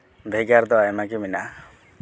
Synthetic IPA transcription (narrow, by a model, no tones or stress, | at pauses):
bʱeɡaɾt̪ɔaemakimina